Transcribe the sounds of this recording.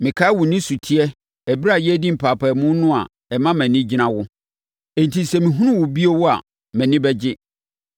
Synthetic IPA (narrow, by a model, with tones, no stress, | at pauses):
mɪ̃˨kʰa˦wʊ˨nɪ̃˦su˨tʰi˦ɛ˦ | ɛ˨bi˦ɾa˨jdi˦m̩˨pʰaː˨pʰa˨mʊ̃˦nʊ̃˦a̰˨ | ɛ˨mã˦mɛ̃˨nɪ̃˦d͡ʑi˦nã˨wʊ˦ | ɛ̃˨n˨tʰi˨˦sɛ˨mĩ˨ɦũ˦nʊ̃˦wʊ˨bi˦o˦wʊ˦a̰˨ | mæ̃˨nɪ̃˦bɛ˦d͡ʑɪ˦